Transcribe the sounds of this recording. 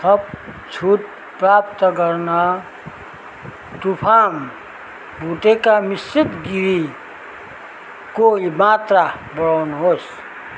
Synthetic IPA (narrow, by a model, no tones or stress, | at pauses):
sʌbt͡ʃʰuʈ̚ | pɾap̚t̪ɡʌɾna | t̪upʰam | bʱuʈekamist͡ʃit̪ɡiɾi | koimat̪ɾabʌɽawnɦos